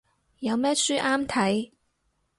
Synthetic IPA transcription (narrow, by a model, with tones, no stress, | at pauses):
jɐ˨˧wmɛː˥syː˥ʔaː˥mt̪ʰɐ˨˥j